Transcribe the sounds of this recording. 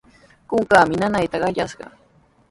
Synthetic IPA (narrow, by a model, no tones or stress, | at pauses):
kʊŋkaːmɪnanajt̪ɑɢɑʎaʃɢɑ̰